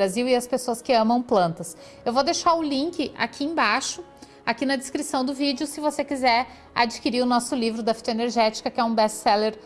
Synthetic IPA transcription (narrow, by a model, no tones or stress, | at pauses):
aziwɪɐspesoɐskɪɐ̃mɐ̃w̃plɐ̃nt̪ɐs | ewvod̪eʃaɾʊlĩŋkɪʔa̰kʰiẽj̃baʃʊ | akinɐd͡ʒ̪ɪskɾisɐ̃w̃d̪ʊvid͡ʒɪʊsɪvosekizɛɾ | a̰d͡ʒikiɾiɾʊnɔsʊlivɾʊd̪ɐfi̥t̪oeneɾʒɛt͡ʃi̥kɐkɪɛũbɛssɛleɾ